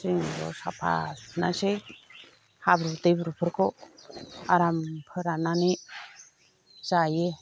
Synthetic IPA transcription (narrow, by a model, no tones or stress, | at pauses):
siŋɡɔ̰sa̰pʰa̰nasej | habɾud̪ejbɾupʰəɾkʰɔ | aɾampʰəɾanane | zaje